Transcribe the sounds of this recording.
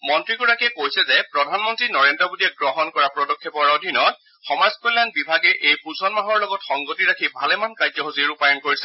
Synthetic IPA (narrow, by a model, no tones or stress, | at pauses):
mɔntɹikuɹakɛkojsɛzɛpɹɔdʱanmɔntɹinɔɹendɔbudiɛɡɹɔɦɔnkɔɹapɹɔdɔkʰːɛpɔɹodʱinɔt | xɔmazkɔlanbibʱaɡɛʔejpuzɔnmaɦɔɹlɔɡɔtxɔŋɡotiɹakʰibʱalɛmankazɔɦoziɹupajɔnkoɹisɛ